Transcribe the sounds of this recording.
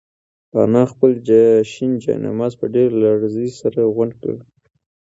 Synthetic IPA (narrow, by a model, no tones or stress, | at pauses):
pɑ̰nɑxpəld͡ʒʃind͡ʒɑ̰na̰mɑzpəɖeɾlaɽzəjsaɾaɣwaɳɖka̰wi